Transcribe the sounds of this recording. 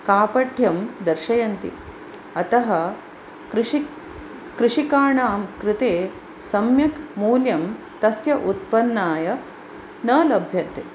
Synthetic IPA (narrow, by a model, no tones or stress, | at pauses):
kaːpɐʈʰjɐmd̪ɐɾʃɐjɐnt̪ḭ | ɐt̪ɐɦɐ | kɾ | kɾɪʂikaːɳaːmkɾɪt̪eː | sɐmjɐkmuːljɐm | t̪ɐsjɐʔut̪̚pɐnːaːjɐ | nɐːlɐbʱjɐnt̪e